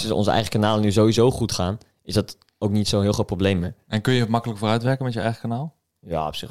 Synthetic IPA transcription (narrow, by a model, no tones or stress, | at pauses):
sɪɔ̰nzəʔɛ̰jχə̥kanaːlənyzowizowχutχaːn | ɪzdɑt | owknitsonɦɪːlˠχot̚prowblejməʔɛnkɵnjəmɑkələkfoːrœɥtʋɛɹkəmɛtjəɛjχəkanaːlˠ | ja̰ːɔ̰psɪχ